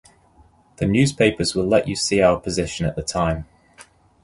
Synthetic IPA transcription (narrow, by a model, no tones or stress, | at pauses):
ðənjʉːz̥pʰeɪpəzwɪlɛt͡ʃəsiːaʊəpʰəzɪʃə̃nəʔðətʰãɪ̃m